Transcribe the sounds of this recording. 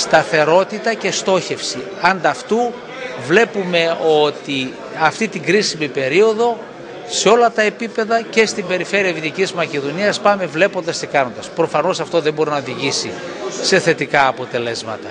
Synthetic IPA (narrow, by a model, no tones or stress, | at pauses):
st̪ɐθe̞ɾo̞t̪it̪ɐce̞st̪o̞çe̞fsi | ɐnd̪ɐft̪u | vle̞pume̞o̞t̪i | ɐft̪it̪iŋɡɾisimipe̞ɾio̞ðo̞ | se̞o̞lɐt̪ɐe̞pipe̞ðɐce̞st̪imbe̞ɾife̞ɾiɐvit̪icizmɐce̞ðo̞niɐspɐme̞vle̞po̞nd̪ɐst̪ikɐno̞nd̪ɐspɾo̞fɐno̞sɐft̪o̞ðembo̞ɾinɐoðiʝisi | se̞θe̞t̪ikɐːpo̞t̪e̞le̞zmɐ̰t̪ɐ